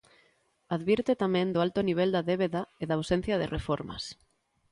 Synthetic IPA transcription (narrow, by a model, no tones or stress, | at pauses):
aðβiɾt̪et̪amɛ̃nd̪oʊalt̪ʊniβ̞eld̪ɐðeβeðɐeðɐːwsen̟θjɐðɪrefɔɾmɐ̰s